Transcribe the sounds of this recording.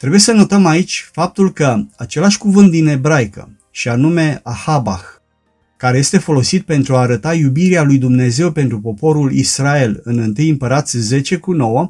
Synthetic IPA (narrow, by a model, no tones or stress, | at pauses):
t̪ɾe̞buje̞səno̞t̪əmait͡ʃʲfap̚t̪ulkəat͡ʃe̞laʃʲkuvɨnt̪̚d̪ine̞bɾajkə̰ | ʃianume̞ahaba̰x | kaɾe̞je̞st̪e̞fo̞lo̞sit̪̚pe̞nt̪ɾuaːɾət̪ajubiɾealujd̪umne̞ze̞wpe̞nt̪ɾupo̞po̞ɾulḭsɾae̞lɨnɨnt̪ɨjɨmpəɾat̪sʲze̞t͡ʃe̞kuno̞wə